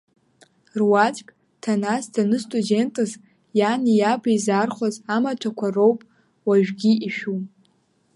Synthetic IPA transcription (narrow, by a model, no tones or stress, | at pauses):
rwat͡ʃʼkʼ | tʰanasdanɨstʼude̞ntʼɨz | janijabaizarχʷazamatʷʰakʷʰaro̞wpʼ | waʒᶣɡʲiiʃᶣu